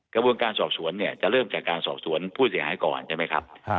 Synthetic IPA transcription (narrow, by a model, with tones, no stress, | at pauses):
kɾa˧bu˧ənkaː˧nsɔː˨˩p̚su˩˦ənːi˥˩ɐt͡ɕa˨˩ʔɾɤː˥˩mt͡ɕaː˨˩kːaː˧nsɔː˨˩p̚su˩˦ənpʰuː˥˩si˩˦haː˩˦jkɔ̰ː˨˩nt͡ɕʰaː˥˩ma˦˥jkʰɾa˦˥p̚